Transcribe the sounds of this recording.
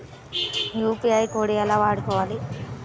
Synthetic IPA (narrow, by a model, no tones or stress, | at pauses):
jupiɐjkoːɽijɐlaːʋaːɽukɔːʋaːli